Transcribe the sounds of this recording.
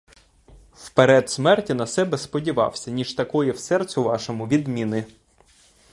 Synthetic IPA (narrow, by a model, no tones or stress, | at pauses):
wpeɾɛd̪smɛrtʲinɐsɛbɛspɔdʲiʋɑ̰wsʲɐnʲiʒt̪ɐkɔjɛwsɛrt͡sʲʊʋɑʃɔmʊʋʲid̪mʲinɪ